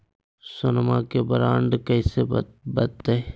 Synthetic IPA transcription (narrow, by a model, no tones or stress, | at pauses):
sʊnmakebəɾaːɳɖkəɪsebət̪e